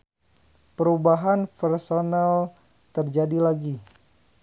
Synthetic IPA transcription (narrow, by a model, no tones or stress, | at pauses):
pəɾubaɦanpɛrsonal | t̪ərd͡ʒadilaɡi